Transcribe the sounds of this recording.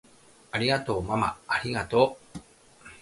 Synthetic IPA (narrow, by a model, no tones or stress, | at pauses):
aɾʲiɡat̪o̞ːmama̰ːɾʲiɡat̪o̞ː